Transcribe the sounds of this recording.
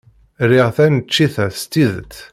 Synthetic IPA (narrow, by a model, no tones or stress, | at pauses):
ɾɪʁθænət͡ʃːiθæθst̪ːiðət̪ː